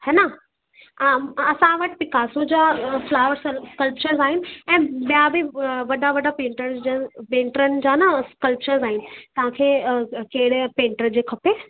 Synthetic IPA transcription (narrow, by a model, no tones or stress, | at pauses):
hɛnɐ | ɐsãʋɐʈpɪkʰaːsũd͡ʑaːflaːʋəɾsskəlp̚t͡ɕəɾzaːɦɪnɪ̆ɛ̃ːɓijabʱiʋɐɗaʋɐɖapẽːɳʈəɾzd͡ʑəpẽːɳʈəɾənɪ̆d͡ʑaːnaskəlp̚t͡ɕəɾzaːɦɪnɪ̆t̪ɐʋ̤ãkʰeːkeɦɪɽ̤pẽːɳʈəɾd͡ʑeːkʰɐpeː